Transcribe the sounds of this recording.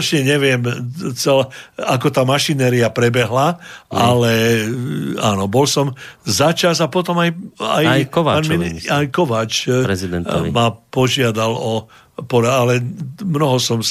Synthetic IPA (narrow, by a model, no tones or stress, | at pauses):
t͡ʃɲɛɲɛʋɪɛmt͡sɛlakɔt̪aːmaʃinɛːɾiapɾɛbɛɦlaʔalɛ | aːnɔbɔlsɔmzat͡ʃazapɔt̪ɔmaja̰jjkɔʋaːaːnmiajkɔʋaːt͡ʃɾɛid̪ɛntmapɔʒɪad̪alɔ | pɔɾaalɛmnɔɦɔsɔm